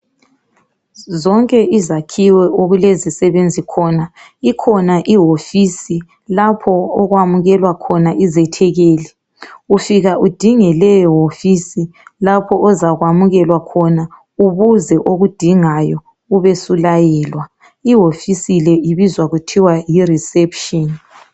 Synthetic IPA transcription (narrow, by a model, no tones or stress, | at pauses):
zɔŋkʼɛʔizakʰiwɛʔoɣulezisɛβend͡zʱikʰɔna | ikʰɔnaʔiɦofisi | lapʰɔːɣwamuɣɛlwakʰɔnaʔizɛtʰɛɣeːlɛ | ufiɣaʔud̥ʱiŋɛlɛjɔɦofisilapʰɔʔɔzaɣwamuɣɛlwakʰɔna | uβuzɛʔoɣud̥ʱiŋajɔ | uβesulajɛːlwa | iɦofisilɛiβizwaɣutʰiwajirisɛpʰʃɔn